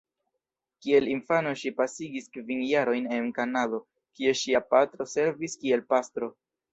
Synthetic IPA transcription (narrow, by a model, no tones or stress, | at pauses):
kie̞linfano̞ʃipasiɡiskvinjaɾo̞jne̞nkanado̞ | kieʃiapatɾo̞se̞ɾviskie̞lpastɾo̞